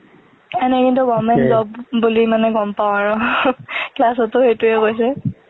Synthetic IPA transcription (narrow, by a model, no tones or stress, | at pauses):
ɛnɛkintuɡɔmɛnzɔbbulimanɛɡɔmpaʊ̃aɹʊ | klas̬ɔtːʊxejtuɛkojs̬ɛ